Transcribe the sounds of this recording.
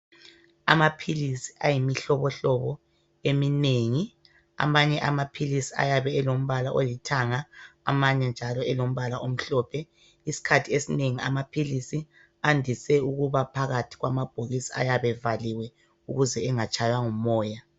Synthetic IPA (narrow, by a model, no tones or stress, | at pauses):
a̰mapʰilisi̥ʔajimiɬɔβɔɬɔβɔ | emineŋi | a̰maɲɛʔamapʰilisia̰jaβɛɛlom̩βalaʔolitʰaŋa̰ːmaɲɛnd͡ʒʱalɔɛlom̩βalaʔom̩ɬɔːpʰɛ | isi̥kʰatʰiesineŋia̰mapʰilisi | andʱisɛuɣuβapʰaɣatʰi̥ɣwamab̥ʱoɣisia̰jaβɛvaliwɛ | uɣuzɛːŋat͡ʃʼajwaŋumɔːja